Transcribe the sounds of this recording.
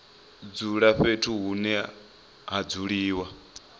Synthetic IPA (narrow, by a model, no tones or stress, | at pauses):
d͡zuɺaɸetʰuɦunɛ | ɦad͡zuɺiːwa